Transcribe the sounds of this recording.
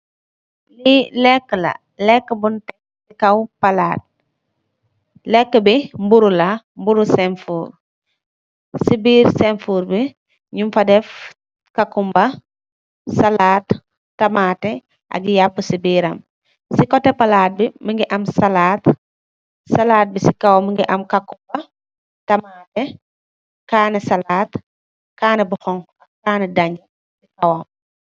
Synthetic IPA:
lilɛkːəlɐ̰ | lɛkːəbuntɛ | sikɐwpɐlaːt̚ | lɛkːəbimbuɾula | mbuɾusɛnfuːr | sibiːɾsɛnfuːɾbi | ɲumfɐdɛf | kɐkumbɐ | salaːtː | ɐmatɛ | ʔɐ̰ɡijapːəsibiːɾɐ̰m | sikɔtːɛpɐlaːt̚biməŋɡiʔɐmsɐlaːt | sɐlaːt̚bisikɐwɐməŋɡiʔɐmkɐkːumbɐ | tɐmatɛ | kaːnɛsɐlaːt | kaːnɛbɔxɔŋ | ɐkaːnɛdaɲɐ | sikɐwɔm

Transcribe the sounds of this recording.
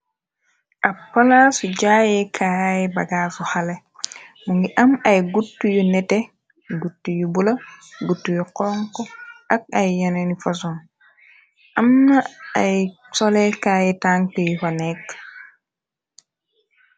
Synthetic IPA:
ʔapːalasuɟaːjɛkʰajɛbaɡasuhalɛ | muŋɡiʔɐmɐjɡutːujunɛtɛ | ɡutːujubulɐɡutːujuqɔŋkɔʔɐk̚ajːanɛnifas̬un | ʔɐmnaaj | sɔlɛkaːjɛtaŋtejfanɛk

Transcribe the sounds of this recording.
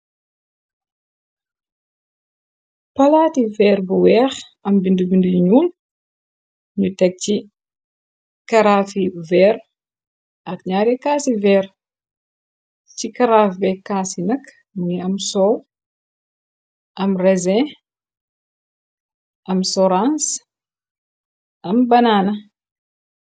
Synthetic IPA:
palat̪ivɛɾbuwɛʁ | ɐmbindubindiɲul | ɲutɛk̚t͡ʃi | kaɾafivɛɾ | ɐkɲaɾekasivɛɾ | t͡ʃikaɾafibekasinak | miamsow | amrezɛ̃ | amsoɾans | ambananə

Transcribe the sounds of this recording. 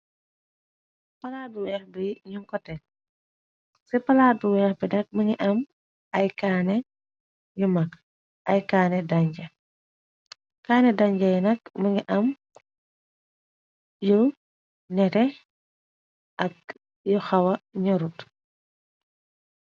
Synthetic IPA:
pɐlaːduwɛːxbiɲuŋkɔtɛ | sɛpɐladuwɛxbinɐk̚mɐŋiʔɐm | ɐjkaːnɛ | jumak | ʔɐjkaːnɛdaɲɟɐ | kaːnɛdaɲɟɐjnɐk̚mɐŋɡiʔɐm | jɔ | nɛtɛ | ʔɐk̚ | jɔxɐwɐɲɔɾut

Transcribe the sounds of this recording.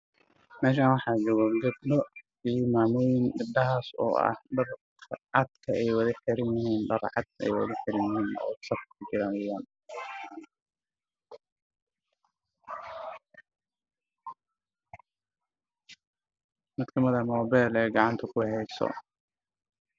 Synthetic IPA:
mɛːʃ̬aːnwɑħɑːd͡ʒɔːɣɔɡɐbnɔ | iːmaːmʊːjɪnɡɪb̚dɐɦaːsɔ̰ːʔɐ̰hɖɐrkʰʕɑd̪kʰɐɛjwɐðɐħɪɾɪnjɪɦiːnɖɐrʕɑd̪̚ʰɛ̰jwɐ̰ðɐħɪɾɪnjɪɦiːnɔ̰sɐfkʰkʰʊd͡ʒɪɾaːnɛjaːn | mɐkt̪ʰɐmɐðɐmɔːbɛlɛːɡɑʕɑnt̪ʰɐkʰʊhɛjsɔ̰

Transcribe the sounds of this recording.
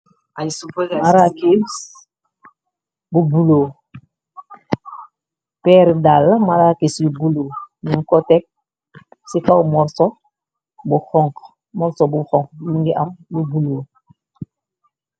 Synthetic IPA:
asupmaɾakis | bubulo | peɾdalmaɾakisbubuloːnuŋkotek̚ | sikawmɔɾso | buxɔŋk | mɔɾsobuxɔ̃ŋkmũŋɡiʔambubulo

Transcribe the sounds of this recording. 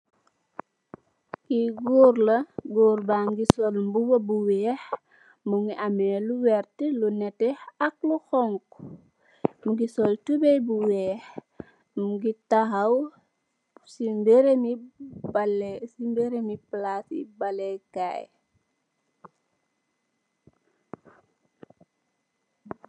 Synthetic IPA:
kiɡuːrlɐɡɔːɾbaŋɡisɔlmbuwɐbuwɛːh | muŋɡiamɛːluwɛrtlunɛtɛɐk̚luxɔŋk | ŋɡisɔltubɛjbuwɛːx | muɡitaɦaw | simbɛɾmibalsimbɛɾemiplasḭbalɛkaj

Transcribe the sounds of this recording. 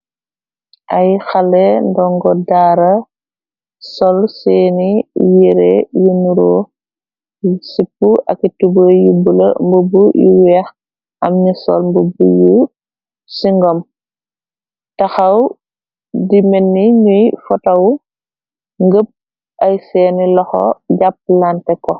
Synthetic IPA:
ʔɐjxɐlɛndɔŋɡɔdaːɾɐ | sɔlsɛːnijiɾɛjunuɾɔː | sipːuʔɐ̰kitubəjubulɐ̰mbəbujṵwɛx | ʔɐmɲisɔ̰lmbəbuju | siŋɡɔm | tɐxɐw | dimɛnːiɲujfɔtɐw | ŋɡəp̚ | ʔɐjsɛːnilɔxɔ̰ɟap̚ːlantɛkɔ

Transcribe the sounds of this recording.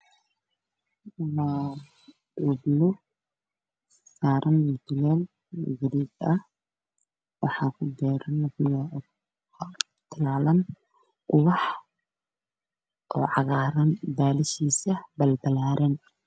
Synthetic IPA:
ma | ʊblʊ | saːɾʔɐnmʊt̪ʊlɛn | ɡɐliːdɐh | wɑħɑːkʰʊd̪ɛːɾɐnɐblɔ | t̪ʰɐlaːlɐn | qʊwɑħ | ʔɔːʕɑɣaːɾɐnb̪aːlɪʃiːsɐbɐlb̪ɐlaːɾɛn

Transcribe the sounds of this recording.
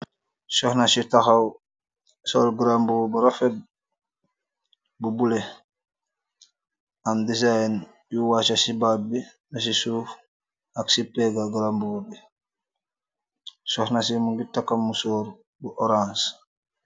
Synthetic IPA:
sɔhnasitaxaw | solɡuɾambubuɾafet̚ | bubule | andisajn | juwat͡ʃasibabi | nas̬isuːf | aksipeɡaɡɾambubi | sɔhnasimuɡitakːamːusoːɾ | buʔoɾãns

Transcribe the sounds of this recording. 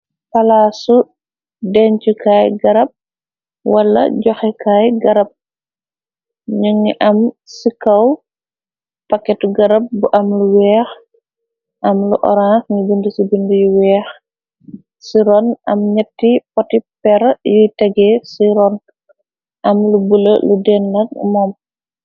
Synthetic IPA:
pɐlaːsu | dɛɲt͡ʃukaːjɡɐɾɐp̚ | wɐlːɐ̰ɟɔxɛkʰaːjɡɐɾɐp̚ | ɲuŋiʔɐm | sikɐw | pɐkːɛtuɡɐɾɐp̚buʔɐmluwɛːx | ʔɐmluʔɔ̰ɾãxɲubundəsibundujuwɛːx | siɾɔnʔɐmɲɐtːipɔtipɛɾɐjujtɐɡɛsiɾɔn | ʔɐmlubulɐludɛnːɐt̚mɔm

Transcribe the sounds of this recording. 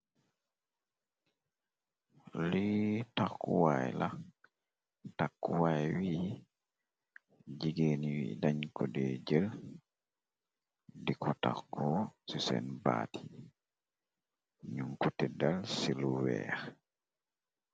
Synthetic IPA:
litakːuwajla | takːuwajwiː | d͡ʒiɡeniwḭdaɲkɔdɛd͡ʒəl | dikɔta̰kːɔsisɛ̰nba̰ːti̥ | ɲuŋkutɛdalsiluwɛ̰ːɾ

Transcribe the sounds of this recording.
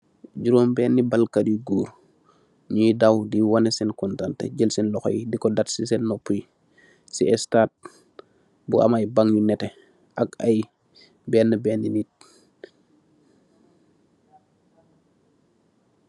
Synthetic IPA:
ɟuɾoːmbɛːnːibalkadiɡuːɾ | ɲidawdiwanesinkɔntantḛɟəlsinlɔxo̰jidikɔdatsisɛnːopːuji | siɛstaːt̚ | bua̰majbaŋjunɛtɛ | ʔaka̰j | bɛːnːəbɛːnːinit̚

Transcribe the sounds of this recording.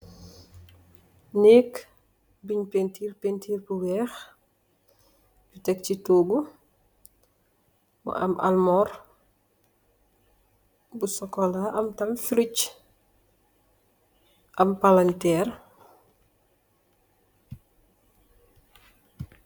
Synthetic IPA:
nɛːk | biɲpentiːɾpentiːɾbuwɛːx | ɟutɛk̚citoːɡu | mṵʔɐ̰mʔa̰lmɔɾ | busɔkɔlaʔɐmtɐmfiɾuc | ʔɐmpalantɛːr

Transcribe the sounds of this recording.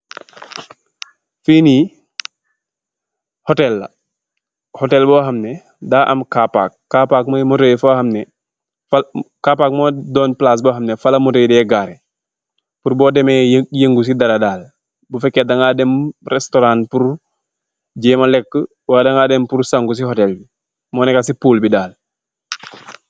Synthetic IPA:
fiːni | hɔtɛlːɐ̰ | hɔtɛlbɔːɦɐmnɛ | daːʔɐ̰mkapa̰ːk̚ːaːpaːk̚mamɔtejfahɐmnɛ | fkapaːk̚mɔdɔːnplaːs̬bɔːɦɐmnɛfalɐmɔtejdɛːɡaːɾɛ | puɾbɔːdɛmɛjeŋɡus̬idɐɾɐdaːl | bufɛkːɛdɐŋaːdɛmrɛstɔɾaːnpuɾ | ɟɛːmalɛkːə | waːjdaŋadɛmpuɾsaŋɡus̬ihɔtɛlbi | mɔːnɛkasipuːlbidaːl

